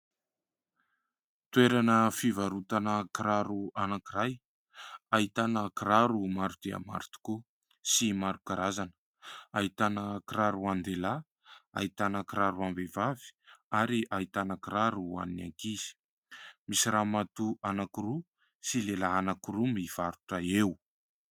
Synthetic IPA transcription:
t̪weɾanəfivaɾut̪anəkiɾaɾuanakiraj | ait̪anəkiɾaɾumaɾut̪ea̰ma̰ɾut̪u̥ku | simaɾukaɾazanə̥ | ait̪anəkiɾaɾuand̪ela | a̰it̪anakiɾaɾuambevavi̥aɾiʔait̪anakiɾaɾua̰nina̰ŋkiz̥i̥ | misiɾamat̪uʔanakiɾu | silelaːnakiɾumiv̥aɾuʈ͡ʂəew

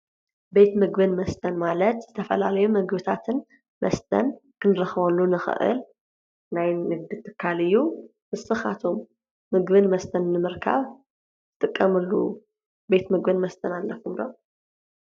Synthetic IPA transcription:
be̞t̪mɨɡbɨnmɐst̪ʰɐnmalɐt̪zɨt̪ʰɐfɐ̰lalɐjumɨɡbɨt̪ʰat̪ʰɨn | mʔɐ̰st̪ʰɐ̰nkʰɨnɾɐxβɐlːunɨxɨ̰ʔɨ̰l | najnɨɡ̚d̪ɨt̪ʰːɨkʰːalɨjːu | mɨsɨxat̪ʰo̞mː | ɨɡβɨnmɐst̪ʰɐnnɨmɨɾkʰa̰β | ɨ̥t̪ʼɨkʼːɐmɨlːṵ | be̞t̪mɨɡbɨnmɐst̪ʰɐnalːɐfumlo̰m

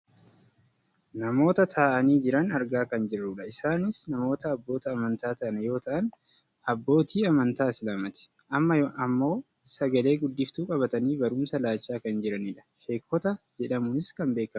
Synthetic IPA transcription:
nɐmo̞ːt̪ɐt̪ʰaːʔɐniːd͡ʒɪɾɐnɐɾɡaːkɐnd͡ʒɪrːʊᶑɐɪsaːnɪsnɐmo̞ːt̪ɐːbːo̞ːt̪ɐːmɐnt̪aːt̪ɐʔnjo̞ːt̪ɐʔɐn | ɐbːo̞ːt̪ʰiːɐmɐnt̪aːɪsɪlɐmɐt̪ɪ̥ | ʔɐmːɐɐmːo̞ː | sɐɡɐle̞ːɡʊd̪ːɪft̪uːkʼɐbɐt̪ɐniːbɐɾʊːmsɐlaːt͡ʃːaːkɐnd͡ʒɪɾɐniːᶑɐ̥ʃe̞ːkːɔt̪ɐd͡ʒɛᶑɐmʊnɪskɐmbe̞ːkːɐ

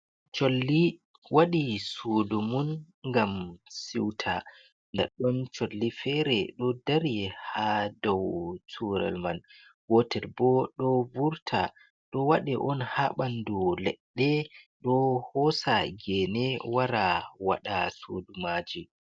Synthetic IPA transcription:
t͡ʃolːi | waɗisodumun | ŋɡamsiwtʰa | ndɛ̰ɗːɔnt͡ʃolːifɛɾɛɗɔdaɾihadɔwtʰuɾa̰lman | wɔtɛlbɔɗɔvuɾtʰa̰ | ɗɔwaɗɛʔɔnhaɓandulɛɗːɛɗɔhɔsaɡɛnɛwaɾawa̰ɗasodumaːd͡ʒi

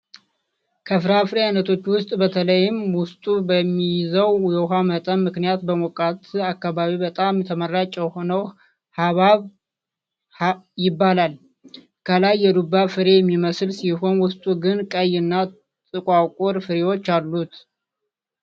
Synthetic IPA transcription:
kʰəfɨɾafɨɾejanət̪ʰo̞t͡ʃːwʊst̪ʼbət̪ʰələjɪmwʊst̪ʼubəmːijɪzəwjɛwɦamət̪ʼənmɨknijat̪̚bəmokʼat̪akːaβaβibət̪ʼamjɛt̪ʰəmərːat͡ʃʼːɛjho̞nəw | haβaβ | jɪbːalal | kʰəlajːɛd̪ubːafɨɾe̞jɛmːiməsɨlsiɦo̞nwʊst̪ʼuɡɨnkʼəjɨnːa | t̪ʼɨkʼakʼoɾfɨɾewo̞t͡ʃːalːut̪

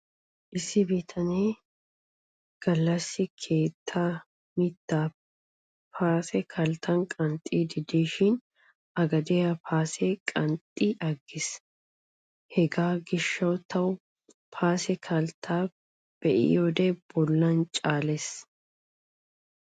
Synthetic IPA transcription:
ʔɪsːɪbit̪ʰɐneː | ɡ̥ɐlːɐsːɪkʰe̞ːt̪ʰːaː | mɪt̪ːaː | pʰaːsɛkʰɐlt̪ʰɐnkʼɐnt̪ʼːiːd̪ɪd̪iːʃɪn | ʔɐɡɐd̪ɛjɐpʰaːsɛkʼɐnt̪ʼːiʔɐɡːɪs | hɛɡaːɡɪʃːɐwt̪ʰɐw | pʰaːsɛkʰɐlt̪ʰaː | b̥ɛʔɪ̰joːd̪ɛb̥ɔlːɐnt͡ʃʼaːlɛs

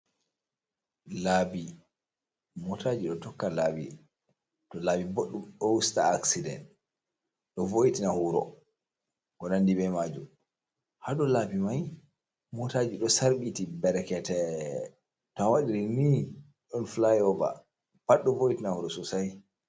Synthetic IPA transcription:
labi | mɔtad͡ʒiɗɔtɔkːalaːbḭ | tɔlaːbiboɗːumɗɔwustaːksidɛ̰nt | ɗɔvojitinahuɾɔ̰ | kɔnandibɛmad͡ʒṵm | haɗɔlabimaj | mɔtad͡ʒiɗɔsaɾɓitibɛɾɛkɛtɛ | tɔawaɗiɾini | ɗɔnflajɔba̰ | paɗːɔvojitinahuɾɔsusaj

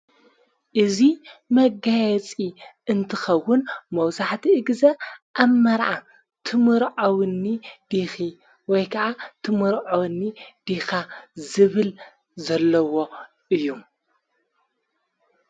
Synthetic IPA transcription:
ʔɨzimɐɡajɛt͡sʼiɨnt̪ʰɨxɐwːʊnmɐwzaħt̪ʰiɨɡzɐʔaβmɐɾʕa | t̪ʰɨmɨɾʕownːid̪̥ixi | wɔjkʰɐʔat̪ʰɨmɨɾʕownːid̪̥ixazɨβɨl | zɐlːɐwo̞ | ʔɨjːum

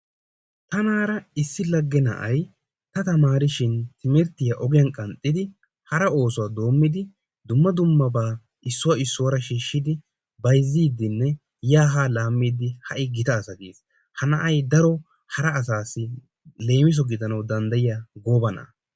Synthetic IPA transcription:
t̪ɐnaːɾɐɪsːɪlɐɡːɛnɐ̰ʔɐj | t̪ɐt̪ɐmaːɾɪʃɪnt̪ʰɪmɪɾt̪ɪjɐʔɔɡɪjɐnkʼɐnt̪ʼːɪd̪ɪ | hɐɾɐo̞ːsʊwaːd̪o̞ːmːɪd̪ɪ | d̪ʊmːɐd̪ʊmːɐbaː | ʔɪsːʊwɐɪsːʊwɐɾɐʃiːʃːɪd̪ɪ | bɐjzːiːd̪ɪnːɛ | jaːɦaːlaːmːiːd̪ɪhɐʔɪɡɪt̪ɐːsɐɡḛːs | hɐnɐʔɐjd̪ɐɾɔ | hɐɾɐːsaːsːɪ | le̞ːmɪs̬ɔɡɪd̪ɐnɐwd̪ɐnd̪ɐjɪjaɡo̞ːbɐna̰

